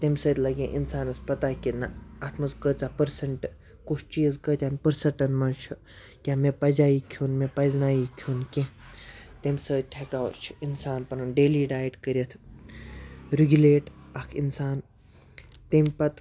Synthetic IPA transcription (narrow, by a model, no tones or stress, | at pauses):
t̪emʲsəːt̪ʲlɐɡʲẽʔinsaːnɐspɐt̪aːkʲinɐɐt̪ʰmɐskət͡sapɐɾsɐɳʈɨ | kut͡ʃʰt͡ʃiːzkətʲanpəɾsɐʈɐnmɐnt͡ʃʰɨ | kʲaːmepɐd͡ʒaːikʰuːnmʲepɐznaːjiːkʰunke | t̪emʲsəːt̪ʲt̪ʲʰekaːw̰ɾt͡ʃʰi̥insaːnpɐnunɖeːliːɖaːiʈkəɾʲjɐt̪ʰ | ɾiɡʲuleːʈɐkʰinsaːn | t̪emʲpɐt̪